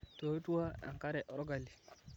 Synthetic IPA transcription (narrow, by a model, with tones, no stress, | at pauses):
to˨˦tu˦wa˦a̰˨ŋka˦ɾɛ˨ʔɔ˨ɾɔ˦ɡa˨lːi˨